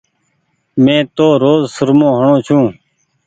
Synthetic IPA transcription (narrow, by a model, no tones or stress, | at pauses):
mẽːt̪oːɾoːzsəɾmõːɦəɳõːt͡ʃʰũː